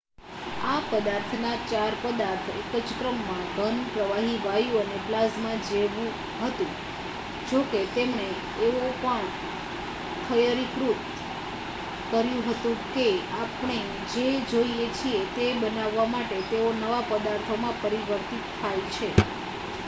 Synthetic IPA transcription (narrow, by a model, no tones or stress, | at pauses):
apəd̪aɾt̪ʰnat͡ʃaɾpəd̪aɾt̪ʰekət͡ʃkɾəmːãɡʱənpɾəʋaɦiʋajũəneplazmãd͡ʒeʋũ | ɦət̪ũ | d͡ʒoket̪emneː | opəɳ | kʰəjəɾikɾup̪ | kəɾjũɦət̪ũkeapɳ̃e | d͡ʒed͡ʒoiet͡ʃʰiet̪ebənaʋːamaʈet̪eonəʋapəd̪aɾt̪ʰomãpəɾiʋəɾt̪it̪t̪ʰajt͡ʃʰe